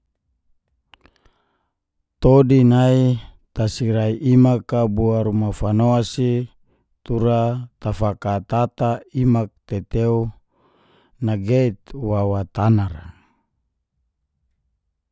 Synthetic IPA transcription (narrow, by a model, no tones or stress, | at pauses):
t̪odinai | t̪asiɾaiʔimakabuaɾumafanoasi | t̪uɾat̪afakat̪at̪aimak̚t̪et̪eu | naɡeit̪wawat̪anaɾa̰